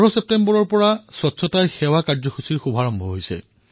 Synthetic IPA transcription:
ɹɔsep̚tembɔɹɔɹpɔɹasɔtsʰɔtajxɛwakaɹzɔxʰusiɹxubʱaɹɔmbʱɔɦojsɛ̰

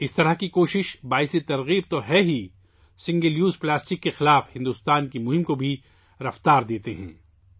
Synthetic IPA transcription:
ɪst̪ɐɾəɦkikoːʃɪʃbaːɪset̪ɐɾɣiːb̚t̪oɦɛɦi | sɪ̃ŋɡeljuːzplaːsʈɪkːexɪlaːfhɪ̃nd̪ʊst̪aːnkimʊɦɪmkobʱi | ɾɐft̪aːɾd̪eːt̪eɦɛ̰̃ː

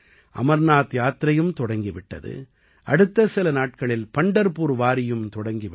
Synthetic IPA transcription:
ʔɐ̰mɐɾnaːt̪jaːt̪ɾɐjɯmt̪ɔɽɐŋɡiʋɪʈːɐ̰ðɯ̰ | ʔɐɽɯt̪ːɐsɪlɐnaːʈ̚kɐɭɪlpɐɳɖɐɾpuːɾʋaːɾɪjɯmt̪ɔɽɐŋɡiʋ

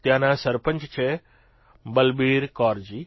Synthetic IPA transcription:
t̪jaːnãːsɐɾpə̃ɲt͡ʃt͡ɕʰe | bɐlbiːɾkɔːɾd͡ʑiː

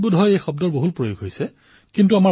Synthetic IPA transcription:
budʱɦɔjejxɔb̚dɔɹboɦutpɹojoɡʱɦojsɛ | kintuama

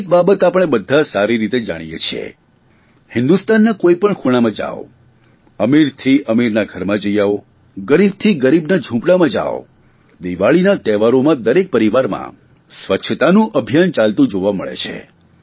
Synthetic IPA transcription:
k̚babət̪apəɽ̃ebəd̪ʱːasaɾiɾit̪ed͡ʒa̰ɽ̃ijḛt͡ʃʰḛ | hɪ̃nd̪ust̪anːakoipəɳkʰuɽ̃amãd͡ʒa̰ʋo | əmiɾt̪ʰiʔəmiɾnaɡʱəɾmãd͡ʒəjao | ɡəɾib̚t̪ʰiɡəɾibnad͡ʒʱũpɽamãd͡ʒa̰o̰ | d̪iʋaɭinat̪ɛʋaɾomãd̪əɾek̚pəɾiʋaɾmã̰ | sʋəʃʰət̪anũʔəbʱijant͡ʃalt̪ũd͡ʒoʋamə̰ɭḛt͡ʃʰḛ

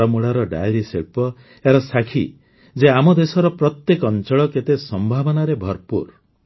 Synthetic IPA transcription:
ɔmuɭaɾɔɖa̰jɾiseɭpɔ | eɾɔsakʰi | d͡ʒeamɔd̪esɔɾɔpɾɔt̪jekɔɔnt͡ʃɔɭɔket̪esɔmbʱabɔnaɾebʱɔɾpṵɾ

